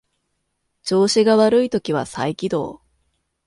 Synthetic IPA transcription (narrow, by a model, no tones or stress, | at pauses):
t͡ɕo̞ːɕiɡaβaɾɯ̟it̪o̞kʲiβ̞a̰sa̰ikʲid̪o̞̰ː